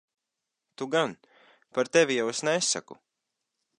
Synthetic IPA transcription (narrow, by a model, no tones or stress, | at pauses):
t̪uɡan | paɾt̪evʲijawɛsnɛesːa̰kṵ